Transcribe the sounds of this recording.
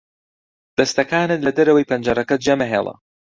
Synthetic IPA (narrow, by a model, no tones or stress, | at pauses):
d̪̥ɐst̪ɐkaːnɨt̪lɐd̪ɐɾɐwɐjpʰɐnd͡ʒɐɾɐkɐd͡ʒɐmɐɦḛːlˠɐ̰